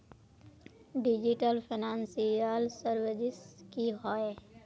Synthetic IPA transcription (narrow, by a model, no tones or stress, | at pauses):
ɖɪd͡ʒɪʈəlpʰɪnãːnsialsəɾwəd͡ʒɪskiɦɔːe